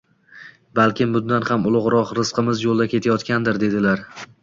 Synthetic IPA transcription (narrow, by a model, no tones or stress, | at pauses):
balˠkʲɪmbʊnd̪anhamʊlˠʊʁɾɒqɾɨsqʰɨmɪzjolˠd̪akʲʰe̞t̪ʰajɒt̪kʲand̪ɪɾd̪e̞d̪ɪlaɾ